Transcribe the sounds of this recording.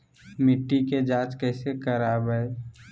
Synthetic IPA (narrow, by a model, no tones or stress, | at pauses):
mɪʈːiked͡ʒaːt͡ʃkɛːsekəɾaːbɛe